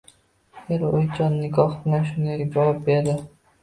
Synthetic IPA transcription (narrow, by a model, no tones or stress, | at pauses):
eɾojt͡ʃʰɒnːɪɡɒhbɪlanʃʊnd̪ajd͡ʒɒvɒp̚beɾd̪ɪ